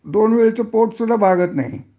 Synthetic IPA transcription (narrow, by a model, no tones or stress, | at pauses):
d̪onʋeɭit͡səpoʈsud̪abʱaɡət̪na̰ɦḭ